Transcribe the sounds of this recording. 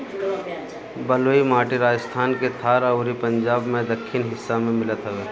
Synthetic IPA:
bəloːimaːʈiɾaːd͡ʒəst̪ʰaːnket̪ʰaːɾəʊɾipə̃ɲd͡ʒaːbmẽd̪əkʰːɪnɦɪsːamẽmɪlət̪ɦɛʋeː

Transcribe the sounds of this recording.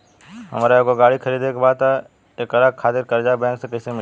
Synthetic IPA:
ɦə̰mːɾaekoɡaːɽikʰəɾiːd̪ekebaːd̪̚t̪a | eːkɐləɡ̚kʰaːt̪ɪɾkəɾd͡ʒabɛ̃ːŋksekəsem

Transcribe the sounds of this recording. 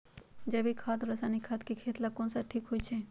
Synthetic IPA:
d͡ʒɐbikʰaːt̪ɾɐsanikʰaːt̪kikʰeːt̪lakõːnsaʈʰiːkɦoit͡ʃʰɛ

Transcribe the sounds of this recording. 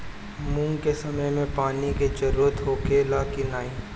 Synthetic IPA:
mũːŋɡkesɐməjmẽpaːniked͡ʒəɾuːɾət̪ɦoːkelaːkinaːi

